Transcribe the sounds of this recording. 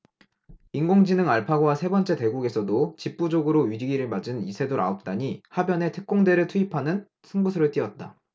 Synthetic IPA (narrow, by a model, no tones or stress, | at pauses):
iŋɡoŋd͡ʑinɯŋaɭpʰaɡowasʰe̞bʌnt͡ɕ͈e̞te̞ɡuɡe̞sʰʌdot͡ɕip̚p͈ud͡ʑoɡɯɾoɥiɾiɡiɾɯɭmad͡ʑɯnisʰe̞doɾa̰op̚t͈aɲihabjʌne̞tʰɯ̥k̚k͈oŋde̞ɾɯɭtʰuipʰanɯn | sʰɯŋɡusʰɯɾɯɭt͈iʌt̚t͈a